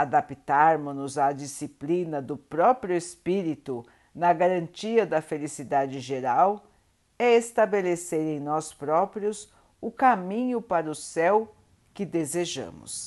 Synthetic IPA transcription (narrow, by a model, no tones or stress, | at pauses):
ad̪apit̪aɾmʊnʊzad͡ʒisiplinɐd̪ʊpɾɔpɾiʊespiɾit̪ʊ | nɐɡaɾɐ̃nt͡ʃiɐd̪ɐfelisid̪ad͡ʒɪʒeɾaw | ɛest̪abeleseɾẽj̃nɔspɾɔpɾjʊs | ʊkamĩɲʊpaɾɐʊsɛw | kɪd̪ezeʒɐ̰̃mʊ̰s